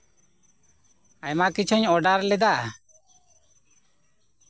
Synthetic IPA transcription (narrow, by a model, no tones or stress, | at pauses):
ajmakit͡ʃʰuɲɔɖaɾlɛd̪a